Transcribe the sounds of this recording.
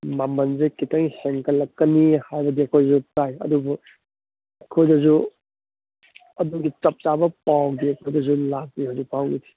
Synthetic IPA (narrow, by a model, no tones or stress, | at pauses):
mamɐnzikitɐŋseŋkɐlːɐkːɐnihajbɐdiɐkʰojdɐzutajɐ̰dubu | ɐkʰojdɐzu | ɐduɡit͡ʃɐp̚t͡ʃabɐpawɡiɐkʰojdɐzulak̚biɦazupʰawɡitʰi̥